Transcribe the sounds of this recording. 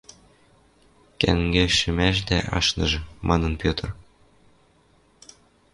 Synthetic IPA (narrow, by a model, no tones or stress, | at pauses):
kæ̰ŋɡeʃymæʒd̪æʔɑ̰ʃnɤ̆ʒɤ̆mʔɑnɤ̆npʲjøt̪ɤ̆r